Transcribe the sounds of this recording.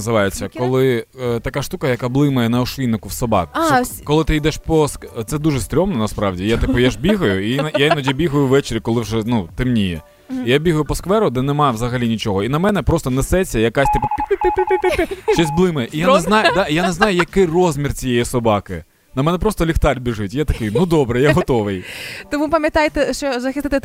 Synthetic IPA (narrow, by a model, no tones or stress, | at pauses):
nɐzɪʋɑjet͡sʲːɐkɔlˠɪt̪ɐkaʃt̪ukɐjɐkablˠɪmɐjɛnɐɔʃʋʲinɪkʊwsɔbɑ̰k̪ɛkɔlˠɪt̪ɪid̪ɛʃpɔskt̪sɛd̪uʒɛst̪ɾʲɔmnɔnɐspɾɑwdʲijat̪ɪpɔjaʒbʲiɦɐjʊiinjainad͡ʒʲibʲiɦɐjʊʋʋɛt͡ʃɪɾʲikɔlˠɪwʒɛnut̪ɪmnʲijɛ̰ | ijabʲiɦɐjʊpɔskʋɛɾʊd̪ɛnɛmɑʋzɐɦɐlʲinʲit͡ʃɔɦɔinɐmɛn̪ɛpɾɔst̪ɔnɛsɛt͡sʲɐjɐkasʲt̪ɪpʊpʲpppt͡ʃɔzʲblˠɪmɛʔijanɛznɑjd̪aijanɛznɑjʊjɐkɪjrɔzʲmʲirt͡sʲijɛjisɔbɑkɪ | nɐmɛnɛpɾɔst̪ɔlʲixt̪ɑlʲbʲɪʒɪtʲjat̪ɐkɪjnud̪ɔbɾɛjaɦɔt̪ɔʋɪjt̪ɔmupɐmʲjɐt̪ɑjt̪ɛʃt͡ʃɔzɐxʲɪst̪ɪt̪ɪ